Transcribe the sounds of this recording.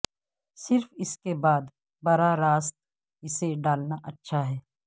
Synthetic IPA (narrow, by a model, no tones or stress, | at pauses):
sɪɾfɪskebaːd̪ | bɐɾaɾaːst̪ | ɪseɖaːlnaʔɐtːʃʰaɦɛː